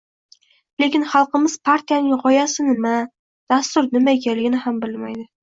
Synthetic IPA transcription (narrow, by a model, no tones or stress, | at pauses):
le̞kʲɪnχɑlˠqɨmɪz̥pʰaɾt̪ʰijanɪŋʁɒjasɪnɪma | d̪̥ast̪ʊɾnɪmaekʲʰalɪɡʲɪnɪhambɪlmajd̪ɪ